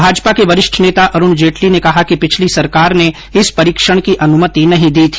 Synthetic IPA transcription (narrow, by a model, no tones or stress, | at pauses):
bʱaːd͡ʒpakeʋɐɾɪʃʈʰneːt̪aʔɐɾʊnd͡ʒeːʈlinekɐɦakipɪt͡ʃʰlisɐɾkaːɾne | ɪspɐɾiːkʃəɽ̃kiʔɐnʊmət̪inɐɦĩd̪iːt̪ʰi̥ː